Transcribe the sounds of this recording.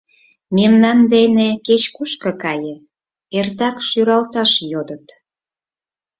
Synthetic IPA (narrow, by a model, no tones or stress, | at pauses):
memnɑnd̪eneket͡ɕkuʃkɤkɑje | ert̪ɑkʃyɾɑlt̪ɑʃjod̪ət̪